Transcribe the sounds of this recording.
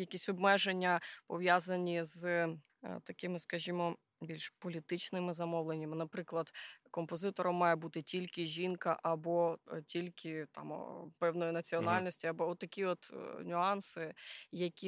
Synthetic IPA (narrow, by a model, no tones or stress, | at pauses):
jɐkʲisʲɔbmɛʒenʲːɐpɔʋjazɐnʲiz | t̪ɐkɪmɪskɐʒʲimɔ | bʲilʲʃpɔlʲit̪ɪt͡ʃnɪmɪzɐmɔwlˠenʲːɐmɪnɐpɾɪklˠɐd̪kɔmpɔzɪt̪ɔɾɔmːɑjebut̪ɪtʲilʲkɪʒʲinkɐ̰ʔɐbɔtʲilʲkʰɪt̪ɑ̰m̰pɛwnɔjinɐt͡sʲiɔnɑlʲnɔsʲtʲiɐbɔɔt̪ːɐkʲiɔt̪nʲʊɑnsɪjɐkʲi